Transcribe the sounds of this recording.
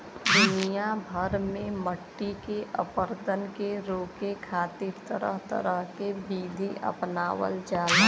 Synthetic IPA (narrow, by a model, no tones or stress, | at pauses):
d̪ʊnijabʱəɾmẽməʈːikeʔəpəɾd̪ənkeɾoːkekʰaːt̪ɪɾt̪əɾəɦt̪ə̰ɾəɦkebiːleʔə̰pnaːwə̰ld͡ʒaːl